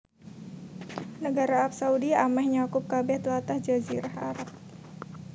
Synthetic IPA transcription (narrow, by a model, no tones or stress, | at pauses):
nəɡaɾaːp̚saudiamɛhɲakʊp̚kabɛht̪lat̪ahd͡ʒaziɾaha̰ɾap̚